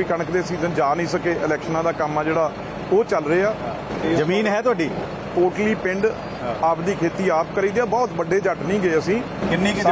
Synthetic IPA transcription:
iːkəɳəkd̪eːsiːzənd͡ʒaːnĩːsəkeːʔɪlɛːkʃənãːd̪aːkəmːaːd͡ʒeːɽaː | oːt͡ʃəlɾəeːaː | zəmiːnɦɛːt̪ʊaːɖiː | poːɾʈliːpɪ̃ɳɖ | aːpd̪iːkʰeːt̪iːaːp̚kəɾiːd̪eaːbɔːt̪bəɖeːd͡ʒəʈnĩːɡeːəsĩː | kɪnːiː

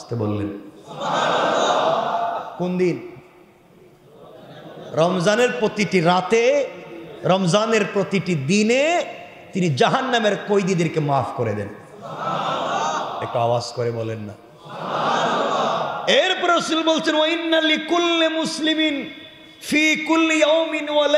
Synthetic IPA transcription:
ast̪ebolːen | kond̪in | ɾɔmzaneɾpɾot̪iʈiɾat̪e | ɾɔmzaneɾpɾot̪iʈid̪ine | t̪inid͡ʑaɦanːameɾkojd̪id̪eɾkemafʰkoɾḛd̪ɛ̰n | ek̚ʈua̰waskoɾebolenːa̰ | eɾpɾosilbolt͡ɕʰenwainːalikulːemuslimin | fiːkulːijawminwal

